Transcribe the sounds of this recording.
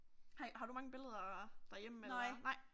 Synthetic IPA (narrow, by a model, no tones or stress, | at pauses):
hɑɦɑ̈ɾumɑ̈ŋəb̥e̝ləð̞ˠɐd̥ɑ̈ɐjem̰̩enlnɑ̈ɪ̰